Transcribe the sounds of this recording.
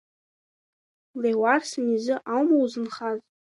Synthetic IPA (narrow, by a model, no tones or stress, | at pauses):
lewarsɨnizɨʔawmowzɨnχazʼ